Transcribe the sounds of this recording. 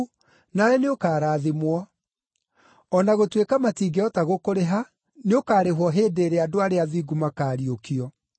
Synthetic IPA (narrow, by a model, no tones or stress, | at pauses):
naɾɛneokaːɾaːðimwɔ | ɔnaɣotwekamatiːɡeɔtaɣokoɾeɦa | neokaːɾeɦwɔɦeːdeːɾeadoaɾeaðiːɡumakaːɾiokiɔ